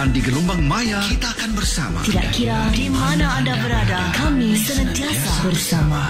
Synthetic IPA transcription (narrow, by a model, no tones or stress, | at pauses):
andiɡəlumbaŋmajakit̪aːkanbərsa̰ma̰t̪ida̰ʔkiɾadimanaːndabəɾadakamisənət̪iasabərsama